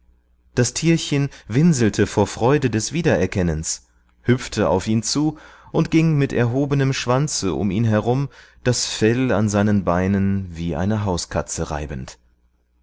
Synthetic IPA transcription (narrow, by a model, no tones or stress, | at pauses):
d̥astʰiːɐçənvɪnzl̩tʰəfoːɐfʁ̥ɔʏdədɛsv̥iːdɐɛɐkʰɛnəns | hʏp͡ftʰəa̰ʊfiːnt͡suːʔʊntɡ̥ɪŋmɪtɛɐɦoːbənəmʃv̥ant͡səʔʊ̰miːnɦɛʁʊmd̥asfɛla̰nzaɪnənbaɪnənviːʔa̰ɪnəɦaʊskʰa̰t͡səʁa̰ɪbən̩t